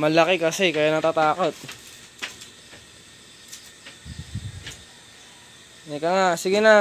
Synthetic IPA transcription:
mɐlɐkɛkɐsɛkɐjanɐt̪at̪aːkot̪̚ | ɛkaŋasɪɡɪnɐ

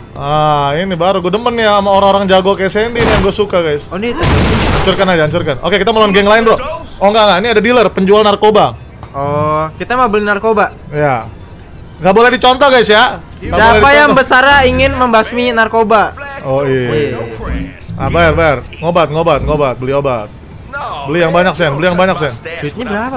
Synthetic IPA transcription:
ainibaɾuɡuadəmənjaːmaoɾaŋoɾaŋd͡ʒaɡokajasɛndinijaŋɡuasukaɡajsonit̪aaɲt͡ʃʊrkanad͡ʒaːaɲt͡ʃʊrkano̰kekit̪aməlaanɡɛŋlaɪnbɾo | ʔoŋɡaŋɡainiadadilərpəɲd͡ʒualnarkoba | ɔkit̪amabəlinarkobaja | ŋɡaʔbolɛhdit͡ʃɔnt̪ɔhɡajsja | ŋɡaʔsiadipajaŋbəsaɾaiŋɪnməmbasminarkobaɔi | ʔabajarbajar | ŋobat̪̚ŋobat̪̚ŋobat̪̚bəliobat̪̚ | bəlijaŋbaɲak̚sɛnbəlijaŋbaɲak̚sɛnbuit̪̚ɲabəɾapa

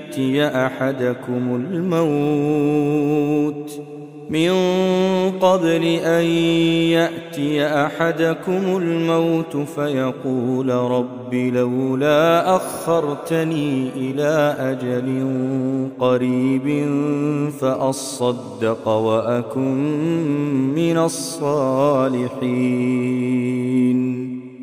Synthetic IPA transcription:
ʔt̪ɪjaʔaħad̪akʊmʊlmaw | t̪ | mɪn | qɑbɾɪʔanjaʔt̪ɪjaʔaħad̪akʊmʊlmawt̪fajɑquːlɾˤɑbːilawlaːʔaɣːɑɾˤt̪aniːʔɪlaːʔad͡ʒalɪnnqɑɾiːbɪnfaʔɑsˤːɑd̪ːɪqwaʔakʊmː | ɪnasˤːɑːlɪħiː | n

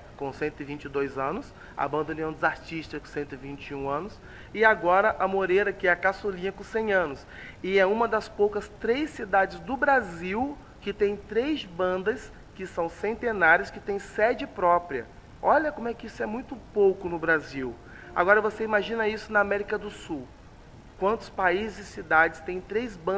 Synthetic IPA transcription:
kõsẽnt̪ʊɪvĩnt͡ʃɪd̪ojzɐ̃nʊs | a̰bɐ̃nd̪õnĩɐ̃w̃d̪ɪzaɾt͡ʃiʃt͡ʃtɐskõsẽnt̪ʊɪvĩnt͡ʃɪũɐ̃nʊs | ɪaɡɔɾɐʔɐmoɾejɾɐkɪɛɐkasolĩɲɐkõsẽj̃ɐ̃nʊs | ɪɛũmɐd̪ɐspowkɐst̪ɾejsːid̪ad͡ʒɪzd̪ʊbɾaziw | kɪt̪ẽj̃t̪ɾejzbɐ̃nd̪ɐs | kɪsɐ̃w̃sẽnt̪enaɾjʊskɪt̪ẽj̃sɛd͡ʒɪpɾɔpɾiɐ̰ | ɔʎɐkõmʊɛkɪisʊɛmũj̃t̪ʊpowkʊnʊbɾaziw | a̰ɡɔɾɐvoseimaʒĩnɐisʊnɐamɛɾikɐd̪ʊsuw | kwɐ̃nt̪ʊ̥spaizɪzɪsid̪ad͡ʒɪst̪ẽj̃t̪ɾejzbɐ̃

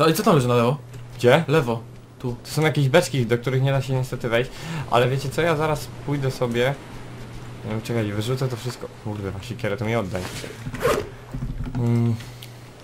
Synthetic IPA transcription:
ɔait̪sɔt̪amlɛʐɨnalɛvɔ | ɡ̥d͡ʑɛlɛvɔ | t̪ut̪ɔ̥sɔ̃w̃jakʲeʑbɛt͡ʂkʲid̪ɔk̚t̪uɾɘxɲɛd̪aɕɛɲɛst̪ɛt̪ɨvɛjɕt͡ɕʔa̰lɛvʲjet͡ɕɛsɔjazaɾaspujd̪ɛsɔbʲjɛ | t͡ʂɛkajvɘʐut̪sɛt̪ɔfʂɘst̪kɔmuɾd̪ɛvaɕɲɛkʲjɛɾɛt̪ɔmʲiɔd̪ːaɲ̰

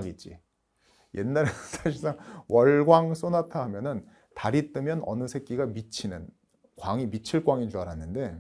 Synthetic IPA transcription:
ɡet̚t͡ɕ͈ḭ | jḛnːaɾsʰaɕʰiɭs͈aŋwʌɭɡwaŋs͈onatʰaɦamjʌnɯn | taɾit͈ɯmjʌnʌ̰nɯsʰe̞k͈iɡamit͡ɕʰinɯn | kwaŋimit͡ɕʰiɭk͈waŋit͡ɕuaɾanːɯnde̞

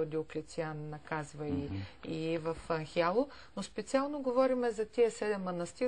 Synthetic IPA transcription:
d̪iʊklʲit̪sianːɐkazvəiivɐfɐŋxialˠʊ | nospɛt̪sialˠnoɡovɔɾimɛzɐt̪iəsɛd̪ɛmːɐnɐst̪i

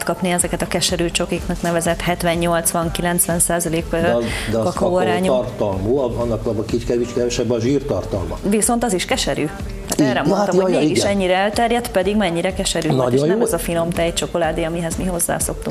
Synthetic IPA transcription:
t̪kɒpniɛzɛkɛt̪ɒkɛʃɛɾyːt͡ʃo̞kiknɒknɛvɛzɛt̪hɛt̪ʋɛɲːo̞lt̪sʋɒŋkilɛnt̪sʋɛnsaːzɒleːkd̪ɛɒkːɒɾaːɲortt̪ɒlmoːɒnːɒkɔbɒkit͡ʃkɛvit͡ʃkɛvɛʃɛbːɒʒiːrt̪ɒrt̪ɒlmɒviso̞nt̪ɒziʃkɛʃɛɾyː | t̪aːt̪ɛrɛmont̪ɒmhoɛɡiʃɛɲːiɾɛɛlt̪ɛrjɛt̪pɛd̪iɡmɛɲːiɾɛkɛʃɛɾyːnɟonɛmɛzɒfino̞mt̪ɛjt͡ʃo̞ko̞laːd̪iɒmiɦɛzmiɦo̞zːa̰ːso̞kt̪uŋ

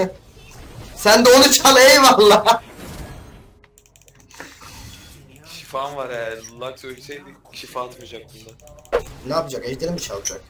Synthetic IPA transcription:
sænd̪ɛo̞nut͡ʃʰalˠajajimalˠːaː | ʃifanvaɾɛjæɾlˠːaksølʲsɛjd̪iʃifaːt̪ʰmɯd͡ʒak̚t̪ʰɯnd̪anaːpʰɯd͡ʒakɛʃd̪eɾimbit͡ʃʰalˠɯd͡ʒa̰k

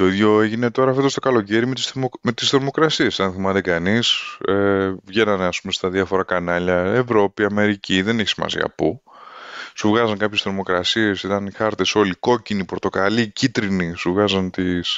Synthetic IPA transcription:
t̪o̞iðʝo̞e̞ʝine̞t̪o̞ɾɐfet̪ost̪o̞kɐlo̞ce̞ɾimet̪ismet̪ist̪ɾomo̞kɾɐsiesɐnθimɐt̪ekɐnisevʝe̞nɐneɐspumest̪ɐðiɐfo̞ɾɐkɐnɐʎɐevɾo̞piɐme̞ɾiciðe̞neçi̥simɐ̰sḭɐ̰pu | suvɣɐzɐŋkɐpçe̞st̪ɾo̞mo̞kɾɐsie̞sit̪ɐnxɐɾt̪e̞so̞liko̞cinipo̞ɾt̪o̞kɐlicit̪ɾinisuvɣɐzɐnt̪is

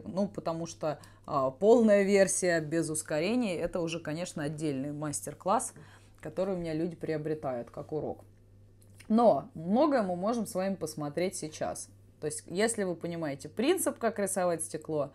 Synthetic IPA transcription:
nupət̪ɐmuʂt̪o | əpo̞lˠnəjəvʲe̞rsʲɪjəbʲɪzʊskɐɾʲenʲɪjəɛt̪əʊʐɛkɐnʲe̞ʂnəɐdʲːelʲnɨjmasʲtʲɪrklˠas | kɐt̪o̞ɾɨjʊmʲɪnʲalʲudʲɪpɾʲɪɐbɾʲɪt̪ajʊt̪kakʊɾo̞̰k | no̞mno̞ɡəjəmɨmo̞ʐɨmsvaɪmpəsmɐt̪ɾʲetʲsʲɪt͡ɕa̰s | t̪o̞jɪsʲtʲjesʲlʲɪvɨpənʲɪmajɪtʲɪpɾʲint̪sɨpkakɾʲɪsɐvatʲsʲtʲɪklˠo̞

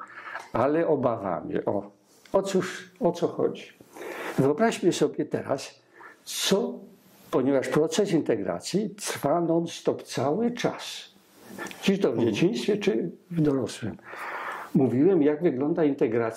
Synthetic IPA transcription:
alɛʔɔbava̰mjɛ̰ʔɔ̰ | ɔt̪suʂɔt̪sɔxɔ̰d͡ʑivɘɔbɾaɕmɘsɔbʲjɛt̪ɛ̰ɾa̰s | t̪sɔ | pɔɲɛvaʂpɾɔt̪sɛsint̪ɛɡɾa̰t̪sʲjit̪ɾfanɔnst̪ɔpt̪sawɘt͡ʂa̰s | d͡ʑiʃt̪ɔvd͡ʑet͡ɕĩst̪fʲjɛt͡ʂɘvd̪ɔɾɔswɘ̰m | muvʲiwɛmjaɡvɘɡlɔnd̪aint̪ɛɡɾat̪

